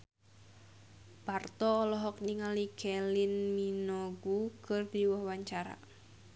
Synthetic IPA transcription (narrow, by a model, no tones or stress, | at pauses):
bart̪ɔːlɔɦɔkniŋalikʰɛlinminɔɡukərdiwɔhwaɲt͡ʃaɾa̰